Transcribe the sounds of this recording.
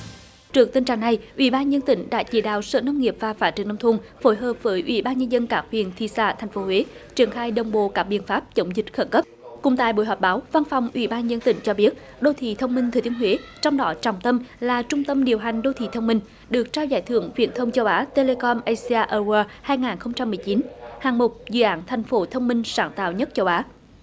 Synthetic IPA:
t͡ɕɨ˨˩ək̚t̪ï˧nt͡ɕa̰ː˧˨˩ŋna˨˩jʔwḭ˧˩ɓaː˧nɲə˧nt̪ï˧˩ŋ̟ɗa̰ː˧˥t͡ɕḭ˧˩ɗa̰ː˧˨wsə̰ː˧˨nə˧wŋ͡mŋi˨˩əp̚vaː˨˩faː˧˥˩tt͡ɕi˨˦nə˧wt̪ʰu˧ŋfo˧˨˦jɦəː˨˩p̚vəː˨˦jʔwḭ˧˩ɓaː˧nɲə˧nzə˧nkaː˦˥k̚hwḭ˨ənt̪ʰi˧˨sa̰ː˧˩t̪ʰa˨˩jŋ̟fo˨˦we˨˦t͡ɕi˧˩ənxaː˧jɗə˨˩wŋ͡mɓo̰˧˨kaː˦˥k̚ɓḭ˧˨ənfaː˦˥p̚t͡ɕə˨˦wŋ͡mzï˨˩t̟̚xə˧˩nkə˦˥p̚kʊ̰˨˧˩ŋ͡mt̪a̰˧˨jɓo̰˧˨jɦɔː˨˩ɓaː˨˦wva˧nfɔ˨˩wŋ͡mʔwḭ˧˩ɓaː˧nɲə˧nt̪ï˧˩˦ŋ̟t͡ɕɔ˧ɓi˦˥ət̚ | ɗo˧t̪ʰḭ˧˨t̪ʰə˧wŋ͡mmï˧ŋt̪ʰəː˨˩jt̪i˨ənɦwe˨˦t͡ɕɔ˧wŋ͡mɗɔ˨˦t͡ɕɔ˧˩wŋ͡mt̪ə˧mlaː˨˩t͡ɕʊ˧ŋ͡mt̪ə˧mɗi˨˩əwɦa˨˩jŋ̟ɗo˧t̪ʰḭ˧˨t̪ʰə˧wŋ͡mmï˧ŋ̟ | ɗɨ˨˩ək̚t͡ɕaː˧wzaː˧˩jt̪ʰɨ̰˧˩əŋvḭ˧˩ənt̪ʰə˧wŋ͡mt͡ɕə˧wʔaː˨˦t̪e˧le˧kɔ˧mʔə˧jsi˧aː˧ʔəː˧waː˧haː˧jŋaː˨˩nxə˧wŋ͡mt͡ɕa˧mːɨ˨˩əjt͡ɕi˨˦nhaː˨˩ŋmo˨˩t̚zɨ̰˧˨ʔaː˧˦nt̪ʰa˨˩jŋ̟fo˨˦t̪ʰə˧wŋ͡mmï˧ŋ̟saː˧˩nt̪a̰ː˧˨wɲə˦˥t̚t͡ɕə˧wʔaː˨˦

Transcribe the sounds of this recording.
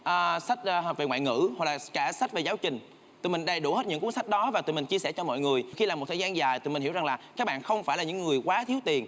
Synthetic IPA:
ʔəː˨˩sa˦˥k̚ʔːve˨˩ŋw̰a̰ː˧˨jŋɨ̰˧˥ɦɔ˨˩k̚laː˨˩kaː˧˩sa˦˥t̚ve˨˩zaː˨˦wt͡ɕï˨˩ŋ̟ | t̪ṵ˧˨mï˨˩ŋ̟ɗə˨˩jɗṵ˧˩he˦˥t̚ɲɨ̰˧˥ŋku˨˦ənsa˦˥jk̚ɗɔ˨˦vaː˨˩t̪ṵ˧˨mï˨˩ŋ̟t͡ɕi˧əsɛ˧˩t͡ɕɔ˧mɔ̰˧˨jŋɨ˨˩əjxi˧laː˨˩mo˨˩t̪ʰəː˨˩zaː˧nzaː˨˩jt̪ṵ˨˧˨i˨˩nhi˧˥˩wza˨˩ŋlaː˨˩kaː˦˥k̚ɓa̰ː˧˨nxə˧wŋ͡mfaː˧˩jlaː˨ɲɨ˧˥ŋːɨ˨˩əjkwaː˨˦t̪ʰi˨˦əwt̪i˨˩ən

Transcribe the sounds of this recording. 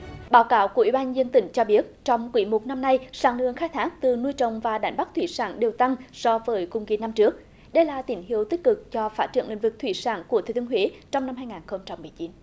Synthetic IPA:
ɓaː˨˦wkaː˨˦wku˧˩əwi˧˦ɓːn˧zə˧nt̪ï˧˩˦ŋ̟t͡ɕɔ˧ɓi˦˥ət̚t͡ɕɔ˧wŋ͡mkwḭ˧˦mo˨˩t̚na˧mna˧jsaː˧˩ŋlɨ̰˧˩˨əŋxaː˧˥jt̪ʰaː˦˥k̚t̪ɨ˨˩nu˧əjt͡ɕə˨˩wŋ͡mvaː˨˩ɗa˨˦jŋ̟ɓa˦˥k̚t̪ʰwḭ˧˩saː˧˩nɗe˨˩wt̪a˧ŋsɔ˧vəː˨˦jkʊ̰˨˧˩ŋ͡mki˨˦na˧mt͡ɕɨ˦˥ək̚ | ɗə˧jlaː˨˩t̪i˧˩˦nhi˧˨əwt̪i˦˥k̚kɨ˨˩k̚t͡ɕɔ˧faː˦˥t̚t͡ɕɨ̰˧˩əŋlḭ˧˨ŋ̟vɨ˨˩t̪ʰwḭ˧˩˦sa̰ː˧˦nku˧˩ət̪ʰe˨˧˩t̪ʰːəɦwe˨˦t͡ɕɔ˧wŋ͡mna˧mhaː˧jŋaː˨˩nxə˧wŋ͡mt͡ɕa˧mːɨ˨˩əjt͡ɕi˨˦n

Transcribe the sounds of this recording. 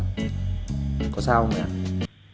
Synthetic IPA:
ko˨sa˦u˦mja̰˨

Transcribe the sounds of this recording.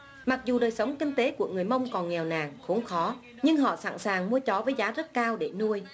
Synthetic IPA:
ma˨˩k̚zu˨˩ɗəː˨˩jsə˨˦wŋ͡mkï˧ŋ̟t̪e˨˦ku˧˩əŋɨ˨˩əjmə˧wŋ͡mkɔ˨˩nŋɛ˨˩wnaː˨˩ŋxo̰˨˦ŋ͡mxɔ˨˦ | ɲɨ˧ŋɦɔ̰˧˨sa̰ː˧˩nsaː˨˩ŋmu˧ət͡ɕɔ˨˦vəː˨˦jzaː˨˦zə˦˥t̚kaː˧wɗe˧˩nu˧əj

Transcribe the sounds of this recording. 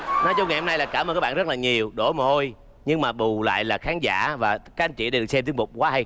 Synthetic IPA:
nɔ˨˦t͡ɕɔ˧ŋ˨˩jho˧mna˧jlaː˨˩kaː˧˩mə˧nkaː˦˥ɓaː˧˨zt̚laː˨˩ɲi˨˩əwɗo˧˩ma˨˩ho˧j | ɲɨ˧ŋmaː˨˩ɓu˨˩la̰ː˧˨jlaː˨˩xaː˨˦nza̰ː˧˥vaː˨˩kaː˦˥k̚a˨˧nt͡ɕḭ˧˨ɗa˧˩ɗ̚sɛ˧mt̪i˧˦əmʊ˨˩k͡p̚kwaː˨˦ɦa˧j

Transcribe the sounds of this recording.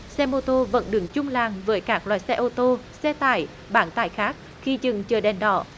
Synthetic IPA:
sɛ˧mo˧t̪o˧və̰˧˥nɗɨ˨˦əŋt͡ɕʊ˧ŋ͡mlaː˨˩ŋvəː˨˦jkaː˦˥k̚lwa̰ː˧˨jsɛ˧ʔo˧t̪o˧sɛ˧t̪a̰ː˧˩j | ɓaː˧˦nt̪aː˧˩˨jxaː˦˥k̚ | xi˧t͡ɕɨ˨˩ŋt͡ɕəː˨˧˩ɗɛ˨˩nɗɔ̰˧˩

